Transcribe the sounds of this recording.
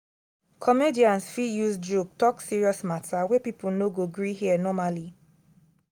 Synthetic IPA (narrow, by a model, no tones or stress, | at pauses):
kʰɔmediãnsfijusd͡ʒok̚tɔksiɹiɔsmatʰawɛpipulnoɡoɡɹihiɛnɔmali